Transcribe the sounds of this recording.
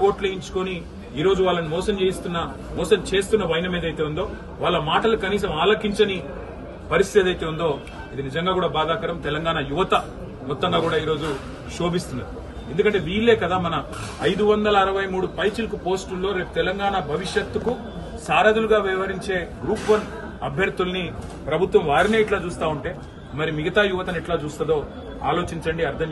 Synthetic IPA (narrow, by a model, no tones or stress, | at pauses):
o̞ːʈleiɲt͡ʃu̥koni | iːɾo̞ːd͡ʒuʋaːɭːɐnimɔːsɐmt͡ʃeːjist̪unːɐ | mɔːsɐmt͡ʃe̞ːst̪unːɐʋɐjnɐmiːd̪ɐjt̪e̞ːund̪o̞ː | ʋaːɭːɐmaːʈɐlukɐniːs̬ɐmaːlɐkːiɲt͡ʃɐni | pɐɾist̪it̪ed̪ɐjt̪e̞ːund̪o̞ː | ɐd̪inid͡ʒɐŋɡaːkuːɽaːbaːd̪aːkɐɾɐmt̪ɛlɐŋɡaːɳɐjuʋɐt̪ɐ | mɔt̪ːɐŋɡaːkuːɽaːiːɾo̞ːd͡ʒu | ʃo̞ːbist̪und̪i | e̞nd̪ukɐɳʈeʋiːɾːe̞ːkɐd̪aːmɐnɐ | ɐjd̪uʋɐnd̪ɐlɐːɾɐʋɐjmuːɽupɐjt͡ʃilkupo̞ːsʈulːo̞ːɾe̞ːʈu̥t̪ɛlɐŋɡaːɳabʱɐʋiʂjɐt̪ːuku | saːɾad̪uluɡaːʋɐjɐʋɐɾiɲt͡ʃe̞ːɡɾuːpʋɐn | ɐ̰bʱjɐɾt̪ulɐni | pɾɐbʱut̪ʋɐmʋaːɾineːiʈlaːt͡ʃuːst̪aːuɳʈe̞ː | mɐɾimiɡɐt̪aːjuʋɐt̪ɐniʈlaːt͡ʃuːst̪ɐd̪o̞ː | aːlo̞ːt͡ʃiɲt͡ʃɐɳɖiɐɾd̪ʰʱɐm